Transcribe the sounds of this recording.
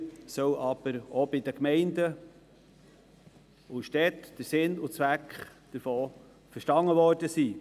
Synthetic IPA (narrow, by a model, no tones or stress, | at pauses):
sœwɑb̥əɾɔbɪd̥̪əkmɛɪndə | ʊʃtɛt̪d̥əɾsɪnʊt͡sʋækχd̥əɾfoː | fəɾʃtɑŋːəʋɔːrd̥əsiː